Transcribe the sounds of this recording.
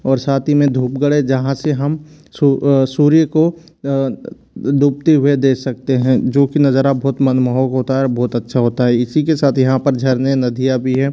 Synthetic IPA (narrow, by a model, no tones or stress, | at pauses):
ɔːɾsaːt̪ʰimẽd̪ʱuːpɡəɽed͡ʒɐɦãseɦɐm | susuːɾijəko | d̪ʱuːp̚t̪eɦʊed̪eːksɐk̚t̪eɦɛ̃d͡ʒoːkinɐzəɾabɔːt̪mɐnməɦɔːkɦoːt̪aɦɛbɔːt̪ɐtːʃʰaɦoːt̪aɦɛɪsikesaːt̪ʰjɐɦãpɐɾd͡ʒʱɐɾnenɐd̪ʱijabʱiɦɛː